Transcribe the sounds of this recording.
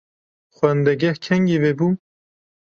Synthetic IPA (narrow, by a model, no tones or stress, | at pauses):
xwɛnd̪ɛɡɛhkʰɛŋɡiveːbuː